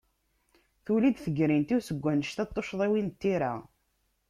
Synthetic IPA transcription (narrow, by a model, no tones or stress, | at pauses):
θulid̪θəɡɾint̪iwsəɡʷːænəʃt̪æt̪ˤːoʃðˤiwint̪ːiɾa